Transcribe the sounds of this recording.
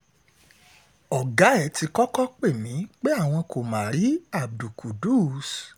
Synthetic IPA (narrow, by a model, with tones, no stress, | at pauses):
ɔ˨ɡa˨˦ɛ˨˦ti˧kɔ˦kɔ˦k͡pe˦˨mĩ˨˦k͡pe˦a˦˨w̃ɔ̃˧ko˨mãː˨˦ɾi˨˦a˦˨b̚du˨ku˨du˦˨s